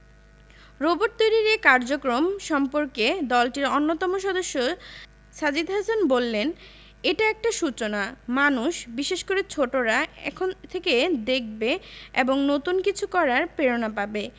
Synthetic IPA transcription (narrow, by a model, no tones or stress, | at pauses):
ɾoboʈ̚t̪ojɾiɾekaɾd͡ʑokɾomʃɔmpoɾked̪ɔlʈiɾonːot̪ɔmoʃɔd̪oʃːo | ʃad͡ʑid̪ɦasanbolːen | eʈaɛk̚ʈaʃut͡ɕonamanuʃbiʃeʃkoɾet͡ɕʰoʈoɾaɛ̰kʰont̪ʰeked̪ek̚ʰbeeboŋnot̪unkit͡ɕʰukɔɾaɾpeɾonapabe